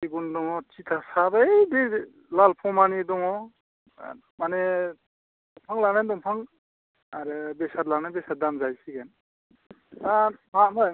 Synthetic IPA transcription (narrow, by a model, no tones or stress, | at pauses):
siɡundɔŋɔt͡ʃitʰasabaede | lalpʰɔmanidɔŋɔ̰ | mane | dɔŋpʰaŋlanandɔŋpʰaŋ | aɾɯbesatlanabesat̚damzajsiɡen | amama